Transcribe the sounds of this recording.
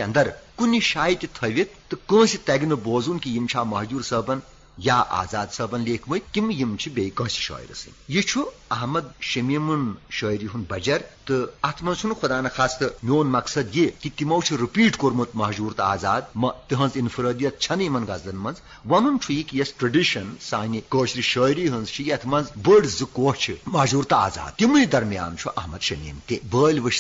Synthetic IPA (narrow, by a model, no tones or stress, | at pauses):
ɐnd̪ɐɾkuniʃaːjit̪ʲit̪ʰɐʋit̪̚ːɨkə̃ːsit̪ɐɡinɨboːzunkijimt͡ʃʰaːmɐɦd͡ʒuːɾsɐːbɐn | jaːʔa̰ːzaːd̪sɐːbɐnleːkʰmɨj̪kimɨjimt͡ʃʰibʲeːjkɐ̃ːsi̥ʃɐ̰ːjɾɐ̰sɨ̰nʲjit͡ʃʰuɐɦmɐd̪ʃɐmemɨnʃɐːjɾiɦunbɐd͡ʒɐɾt̪ɨɐt̪ʰmɐnt͡ʃʰunxʰud̪aːnɐxʰaːst̪ɨmʲoːnmɐksɐd̪jekit̪imɐwt͡ʃʰiɾɨpiːʈkoɾmɨt̪mɐɦd͡ʒuːɾt̪ɐaːzaːd̪̚mɐt̪ɨɦɐ̃nzinfɨɾəːd̪ijɐt̪̚t͡ʃʰɐnɨjmɐnɡɐzd̪ɐnmɐnz | ʋɐnunt͡ʃʰujikijɐsʈɾɐɖiʃɐnsaːnʲikoːʃɾiʃəːjɾiɦɨnzt͡ʃʰijɐt̪ʰmɐnzbəːɽzɨkoːt͡ʃʰimɐɦd͡ʒuːɾt̪ɐa̰ːza̰ːd̪̚t̪imɨnid̪ɐɾmija̰ːnt͡ʃʰuʔɐɦmɐd̪ʃɐmḭːmt̪ebəːlʲʋɨʃ